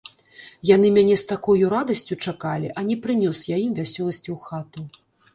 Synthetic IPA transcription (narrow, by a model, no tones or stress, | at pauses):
jan̪ɨmʲanʲɛst̪akɔjuɾad̪ɐsʲt͡sʲut͡ʂakalʲiʔɐnʲɛpɾɨnʲɔsjajimvʲasʲɔlˠɐsʲt͡sʲiwxat̪u